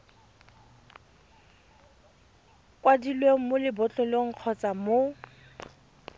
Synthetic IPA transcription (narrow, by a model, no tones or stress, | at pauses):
kʼwadilweŋ̩mʊlɪbʊt͡ɬʼɔloŋ̩q͡χʰɔt͡samo